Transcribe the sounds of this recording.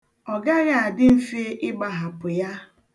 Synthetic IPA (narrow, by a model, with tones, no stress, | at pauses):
ɔ˨ɡa˦ɣa˨a˨dɪ˦m̩˦fe˦ʔɪ˦ɡ͡ba˨ɦa˨pʊ˨ja˦